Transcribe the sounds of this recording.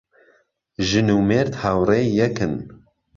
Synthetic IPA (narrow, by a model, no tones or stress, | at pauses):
ʒɨnuːmeːɾt̪hawreːjɛkɨn